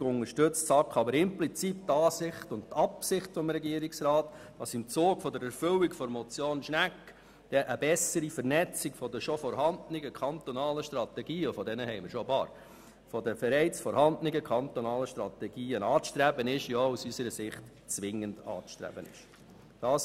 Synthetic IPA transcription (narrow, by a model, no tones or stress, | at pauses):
ɡʊnəʃtʏt͡stsɑkχɑbəɾɪmplit͡siːp̚tɑːsɪχtʊndt̪ɑpsɪχtfɔmɾɛɡiəɾiksrɑːttɑsɪmt͡soːɡfɔdəɾɛɾfʏlikfɔɾmɔt͡sjoːnʃnækː | d̥ɛʔəbɛsəɾifəɾnɛt͡sikfɔdəʃɔfɔɾhɑndnɪɡəkʰχɑnt̪ɔnɑːləʃtrɑtɛɡiːʊfɔdɛnəhɛɪməɾʃɔbɑːɾ | fɔdəfəɾɛɪt͡sfɔɾhɑndnɪɡəkʰɑnt̪ɔnɑːləʃtɾɑt̪ɛɡiːənɑːt͡sʃtɾæbənɪʃjousysəɾəsɪχt | t͡sʋɪŋənd̥ɑ̰ːʃtɾæ̰b̥ənɪ̰ʃ | d̥ɑːs